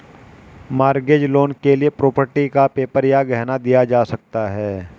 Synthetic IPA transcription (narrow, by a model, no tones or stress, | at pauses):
maːɾɡed͡ʒloːnkeliepɾoːpəɾʈikapeːpəɾjaɡɛɦnad̪ijad͡ʒaːsɐk̚t̪aɦɛː